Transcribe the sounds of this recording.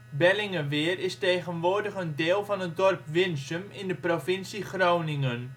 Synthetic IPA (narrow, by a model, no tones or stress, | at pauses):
bɛlɪŋəʋɪːrɪstejχənʋoːrdəχəndeːlˠvɑnət̚dɔrpʋɪnsəmɪndəprofɪnsiχrownɪŋən